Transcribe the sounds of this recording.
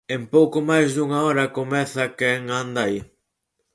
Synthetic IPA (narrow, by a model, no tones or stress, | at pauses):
empowkomajzðuŋaɔɾɐkomɛθɐkeŋand̪aj